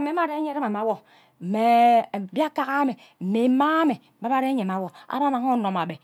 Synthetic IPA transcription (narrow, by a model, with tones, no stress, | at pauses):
me˨˦ma˨ɾe˦ɲe˦ɾe˦ma˨ma˨˦wo˨ | me˨bi˦a˦ka˦ɣa˦me˨ | m̩˨me˨˦ma˦me˨ba˦ba˦ɾe˦ɲe˨ma˨˦wo˨a̰˦ɾa˦na˨ŋo˦no˨ma˨be˨